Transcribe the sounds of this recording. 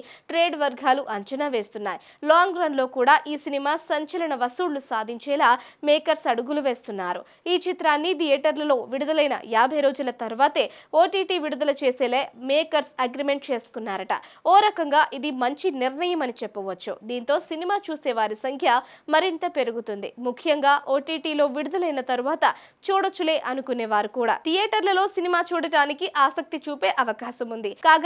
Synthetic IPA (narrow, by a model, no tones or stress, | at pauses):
iʈɾeːɖʋɐɾɡʱaːluʔɐɲt͡ʃɐnaːʋe̞ːst̪unːaːji | laːŋɡɾɐːnlo̞ːkuːɽaːʔiːsinimaːsɐɲt͡ʃɐlɐɳɐʋɐsuːɽlusaːd̪ʱiɲt͡ʃɛːlaːmɛːkɐɾsɐɽuɡuluʋe̞ːst̪unːaːɾṵ | iːt͡ʃit̪ɾaːnːit̪ijeʈɐɾlɐlo̞ːʋiɽud̪ɐlɐjnɐ̰jaːbʱɐjɾo̞ːd͡ʒulɐt̪ɐɾuʋaːt̪e̞ːoːʈiːʈiːʋiɽud̪ɐlɐt͡ʃeːsɛːlemeːkɐɾsɐɡɾime̞ɳʈ̚t͡ʃe̞ːsu̥kunːaːɾɐʈɐ̰ɔːɾɐkɐŋɡaːʔid̪imɐɲt͡ʃiniɾɳɐjɐmɐnit͡ʃɛpːɐʋɐt͡ʃːud̪iːnt̪o̞ːsinimaːt͡ʃuːsɛːʋaːɾisɐŋkʰjɐmɐɾint̪ɐpe̞ɾuɡut̪und̪ḭmukʰjɐŋɡaːʔoːʈiːʈiːlo̞ːʋiɽud̪ɐlɐjnɐt̪ɐɾuʋaːt̪ɐ | t͡ʃuːɽɐt͡ʃːule̞ːʔɐnukuneːʋaːɾikuːɽa̰ːt̪ʰijɛːʈɐɾlɐlo̞ːsinimaːt͡ʃuːɽɐɽaːnikiʔaːsɐk̚t̪it͡ʃuːpe̞ːʔɐʋɐkaːʃɐmund̪ikaːɡa